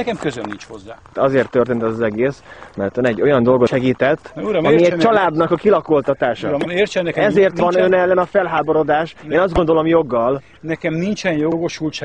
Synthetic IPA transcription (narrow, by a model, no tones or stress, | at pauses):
ɛkɛmkøzønːit͡ʃhozːaːt̪ɒzeːrt̪ːø̞rt̪eːnt̪ɛzɒzɛɡeːsmɛ̰rt̪ønɛɟːo̞jɒnd̪o̞lɡo̞ʃɛɡiːt̪ɛt̪ːuɾmmiɛt͡ʃɒlaːd̪nɒkɒkilɒko̞lt̪ɒt̪aːʃɒmert͡ʃɛnːɛkɛɛzeːrt̪ʋɒnønɛlːɛnɒfɛlɦaːbo̞ɾo̞d̪aːʃeːnɒzd̪ɡo̞nd̪o̞lo̞mjo̞ɡːɒl | nɛkɛmnint͡ʃɛnjoɡo̞ʃult͡ʃɛ